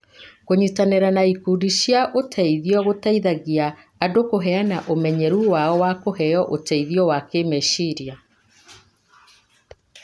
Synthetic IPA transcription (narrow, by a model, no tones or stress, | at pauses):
koɲutaneɾanaikudiɕjaʔotʰɛiðiɔɣotɛiðaɣiaː | dokoɦɛanaʔomɛɲɛɾuwaɔwakoɦɛjɔʔotɛiðiɔwakemeʃiɾia